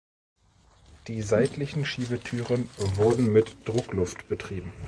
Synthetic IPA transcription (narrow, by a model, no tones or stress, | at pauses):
d̥iːzaɪtlɪçn̩ʃiːbətʰyːʁənvʊɐdn̩mɪtd̥ʁʊklʊftb̥ətʁ̥iːbm̩